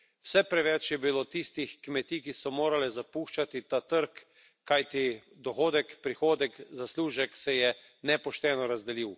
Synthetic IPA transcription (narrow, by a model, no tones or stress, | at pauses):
wsɛpɾɛʋɛt͡ʃjɛbilot̪ist̪ixkmɛt̪iːkisɔmoːɾalɛzapuːʃt͡ʃat̪it̪at̪əɾkː | ajt̪i | d̪ɔxoːd̪ɛkpɾixoːd̪ɛkzasluːʒɛksɛjɛ | nɛpɔʃt̪ɛːnɔɾazd̪ɛliw